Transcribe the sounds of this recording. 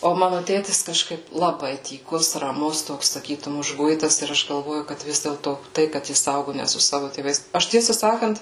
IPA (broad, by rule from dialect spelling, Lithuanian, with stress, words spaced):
oː ˈmɑːnʊ ˈtʲeːtʲɪs kɐʃˈkɐɪp lˠɐˈbɐɪ tʲiːˈkʊs rɐˈmʊs ˈtoːks sɐˈkʲiːtʊm ʊʒˈɡʊɪtɐs ɪr ˈɐʃ ɡɐlˠˈʋoːjʊ kɐt ˈʋʲɪs dʲeːlˠtoː ˈtɐɪ kɐt ˈjɪs ˈɐʊɡʊ nʲɛ sʊ ˈsɑːʋʊ tʲeːˈʋɐɪs ˈɐʃ ˈtʲiɛsɑː ˈsɑːkɐnt